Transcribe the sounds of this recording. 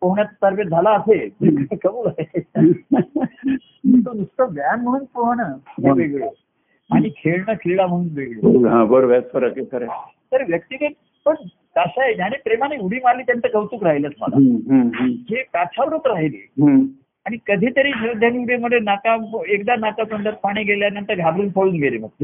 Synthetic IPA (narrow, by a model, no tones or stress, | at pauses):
pəɦɳjat͡ssəɾbet̪̚d͡zʱalaːseəkkəbuːlae | ut̪od̪ust̪əɡjanm̤əɽ̃uːnt̪oɦənəɦaʋeɡɭe | aɽ̃ikʰeɭɳəkʰeɭam̤əɽ̃uːnʋeɡɭeɦãbəɾʋasfəɾəkekəɾe | t̪əɾʋjək̚t̪ikət | pəɳ | t̪əɕad͡ʑaɽ̃ipɾemaniuɽiːmaliːt̪jant͡səkəʋt̪uːkɾaɦilət̪ma̰la̰ɦəd͡ʑepat͡ɕʰaʋəɾut̪ɾaɦilḛːɦə | aɽ̃ikəd̪ʱiːt̪əɾiːɕɾəd̪ʱjaniuɽeməd̪ʱːenakaekd̪anakapəɳɖəɾ̚paɽ̃iːɡʱeljanant̪əɾɡʱabɾuːnpʰəɭuːnɡʱelemək̚t̪e